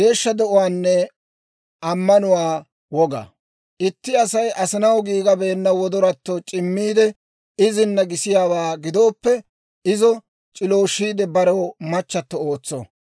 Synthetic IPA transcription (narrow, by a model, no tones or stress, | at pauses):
ɡe̞ːʃːɐd̪ɛʔʊwaːnːɛ | ɐmːɐnʊwaː | wɔɡɐ̰ | ʔɪt̪ːɪɐsɐjʔɐsɪnɐwɡiːɡɐbe̞ːnːɐwɔd̪ɔɾɐt̪ːɔt͡ʃʼɪmːiːd̪ɛ | ɪzɪnːɐɡɪsɪjaːwaːɡɪd̪o̞ːpːɛ | ɪzɔ | t͡ʃʼɪlo̞ːʃːiːd̪ɛbɐɾɐwmɐt͡ʃːɐt̪ːɔo̞ːt͡sːɔ̰